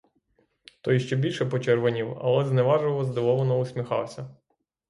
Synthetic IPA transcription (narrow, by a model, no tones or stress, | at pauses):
t̪ɔjiʃt͡ʃɛbʲilʲʃɛpɔt͡ʃɛrʋɐnʲiwɐ̰lˠɛznɛʋɑʒʊlˠɔzd̪ɔʋɔʋɔnɔʊsʲmʲixɑwsʲɐ